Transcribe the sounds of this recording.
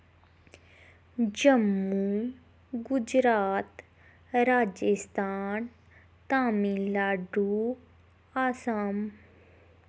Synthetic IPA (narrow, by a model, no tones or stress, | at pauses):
d͡ʑɐmːu | ɡʊd͡ʒɾaːt̪ | ɾaːd͡ʒəst̪ʰaːn | t̪aːmilaːɖu | aːsaːm